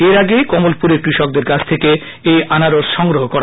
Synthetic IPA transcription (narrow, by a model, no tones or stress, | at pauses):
eɾaɡekɔmolpuɾeɾkɾiʃɔk̚d̪eɾkat͡ɕʰt̪ʰeke | ejanaɾoɾʃɔŋɡɾoɦokɔɾa